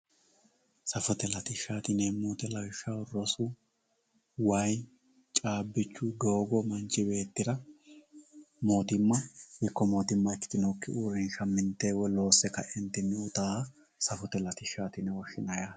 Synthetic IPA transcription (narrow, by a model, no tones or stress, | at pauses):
sɐfɔt̪ɛlɐt̪ɪʃaːt̪ɪneːmuːt̪ɛlɐwʃaɔrːɔsu | wɐj | t͡ʃʼaːbːɪt͡ʃːʊɡo̞ːɡɔmɐnt͡ʃːɪbe̞ːt̪ːɪɾɐ | moːt̪ɪmːɐhɪkːɔmo̞ːt̪ɪmːɐɪt͡ʃːɪ̥t̪ɪnɔkːɪuːɾɪnʃɐmːɪnt̪eːwɔlo̞ːsːɛkɐʔɛnt̪ɪnːɪʊt̪aː | sɐfɔt̪ɛlɐt̪ɪʃaːt̪ɪnɛwɔʃːɪnɐjaː